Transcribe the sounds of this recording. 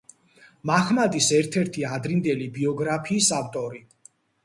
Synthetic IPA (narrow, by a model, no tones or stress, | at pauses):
maχmad̪isɛɾt̪ʰɛɾt̪ʰiad̪ɾind̪ɛlibiɔɡɾapʰiːsaft̪ʼɔɾi